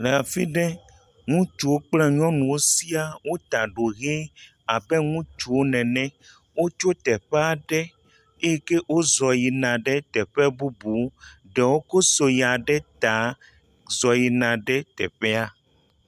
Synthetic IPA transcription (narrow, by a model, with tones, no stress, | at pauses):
le˨a˨fi˦ɖɛ˦ | ŋũ˦t͡ʃu˨wo˦k͡plɛ˦ɲɔ̃˦nũ˨wo˦si˦a˨wo˦t̪a˨ɖo˨ɣe˦ | a˨ɸɛ˦ŋũ˦t͡ʃu˨wo˦nɛ̃˨nɛ̃˦ | wo˦t͡ʃo˦t̪ɛ˨ɸe˦a˨ɖɛ˦ | e˦je˦ke˦ʔwo˦zɔ˨ji˨nã˨ɖɛ˦t̪ɛ˨ɸɛ˦bu˦bu˨˦ | ɖɛ˨wo˦ko˦so˨ja˨ɖɛ˦t̪a˨˦ | zɔ˨ji˨nã˨ɖɛ˦t̪ɛ̰˨ɸɛ˦a˦